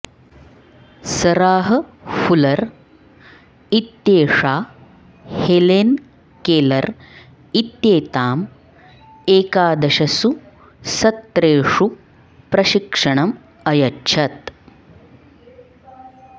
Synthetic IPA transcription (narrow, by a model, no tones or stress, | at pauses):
sɐɾaːɦɐfulɐɾ | it̪ːjeːʂaː | heleːn | keːlɐɾ | it̪jeːt̪aːm | eːkaːd̪ɐʃɐsu | sɐt̪ːɾeːʂu | pɾɐʃikʂɐɳɐm | ɐjɐtːʃʰɐt̪